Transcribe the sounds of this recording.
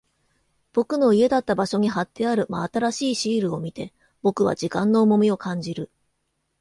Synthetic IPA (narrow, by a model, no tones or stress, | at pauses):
b̥o̞kɯ̟no̞ie̞d̪at̪ːabaɕo̞ɲ̟iɦat̪ːe̞aɾɯ̟maːt̪aɾaɕiːɕiːɾɯ̟o̞mʲit̪e̞ | b̥o̞kɯ̟βa̰d͡ʑikãnːo̞ːmo̞mʲio̞kʰãɲ̟d͡ʑiɾɯ̟